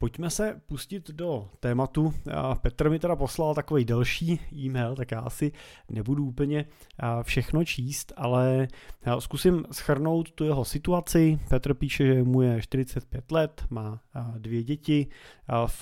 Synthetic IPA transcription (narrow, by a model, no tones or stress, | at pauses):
pocmɛsɛpuscɪt̪do̞t̪ɛːmat̪upɛt̪rmɪt̪ɛdapo̞slalt̪ako̞vɛjdɛlʃiːʔiːmɛjlt̪akjaːʔasɪnɛbuduuːpl̩ɲɛ | fʃɛxno̞t͡ʃʰiːst̪alɛ | skusɪmsxr̩no̞wt̪ːujɛɦo̞sɪt̪uat͡sɪpɛt̪r̩piːʃɛʒɛmujɛʃt̪ɪɾɪt͡sɛt̪̚pjɛt̪lɛt̪maːdvjɛɟɛcɪ